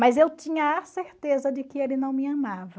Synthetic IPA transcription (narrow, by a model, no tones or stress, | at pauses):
mɐzewt͡ʃĩɲɐaseɾt̪ezɐd͡ʒɪkɪelɪnɐ̃w̃mɪɐmavɐ